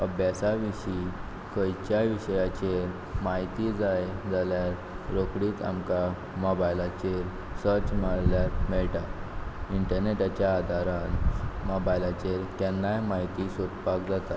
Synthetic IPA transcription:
əbjasaʋiɕi | kəjt͡ɕjaʋiɕəjat͡ɕeɾ | maɦit̪id͡zajd͡zaljaɾ | ɾokɽiːt̪a̰mka | mɔbajlat͡ɕeɾ | səɾt͡ɕmaɭljaɾmɛɭʈaiɳʈəɾneʈat͡ɕjaːd̪ʱaɾanmɔbajlat͡ɕeɾkɛnːajmaɦit̪isot̪pakd͡zat̪a

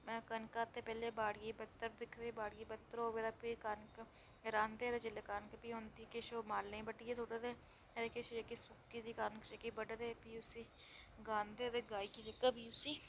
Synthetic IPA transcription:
kənkaːt̪eːpɛːleːbaːɽɡiːbət̪ːəɾd̪ɪkʰd̪eːbaːɽɡiːbət̪ːəɾoːʋed̪aːpiːkaːnk | ɾãːnd̪eːt̪ed͡ʒɪleːkaːnkpiːɦoːnt̪iːkeʃoːmaːlneĩːbəʈijesoːʈət̪eː | d̪eːkʰeːʃekiːsʊkːiːd̪iːkaːnkt͡ʃekiːbəɖəd̪eːpiːʊsiː | ɡãːnd̪eːt̪eːɡaːiːkiːd͡ʒekəbiːʊsiː

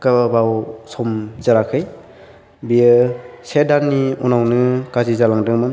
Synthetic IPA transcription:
kababawsɔmzaɾakʰɯj | bijɯsedanːiunawnɯkazizalaŋdɯŋmɯn

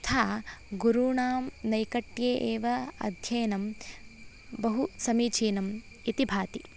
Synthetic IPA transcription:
t̪ʰaːɡuɾuːɳaːmnɐjkɐʈjeːʔeːʋɐɐ̰d̪ʱjɐjnɐm | bɐɦusɐmiːt͡ʃʰiːnɐm | it̪ibʱaːt̪i

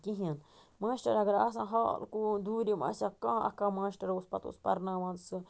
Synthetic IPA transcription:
kĩɦjãn | mãʃt̪ɾaɾaɡɾas̬ãɦo̰lkud̪uɾimã̰sjakãʔa̰kamãʃt̪aɾauspa̰t̪ṵspa̰ɾnãmãnsɨ

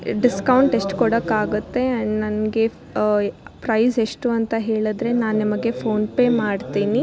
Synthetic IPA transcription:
ɖiskɐwɳʈeʂʈkɔɽɐkaːɡut̪ːe̞nɐnɡe̞ | pɾɐjseʂʈuɐnt̪ɐɦe̞ːɭud̪ɾe̞naːnnɐmɐɡe̞pʰo̞ːnpe̞ːmaːɖt̪iːni

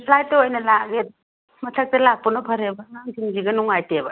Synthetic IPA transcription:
slajtɐojnɐlaɡet̚ | mɐtʰak̚tɐlak̚pɐnɐpʰɐɾebɐŋaŋsiŋziɡɐnuŋajtebɐ

